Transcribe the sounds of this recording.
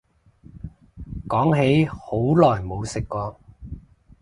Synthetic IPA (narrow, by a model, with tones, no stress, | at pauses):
kɔː˨˥ŋɦe˨˥jho˨˥wlɔː˨˩jmo˨˧wsɪ˨kːɔː˧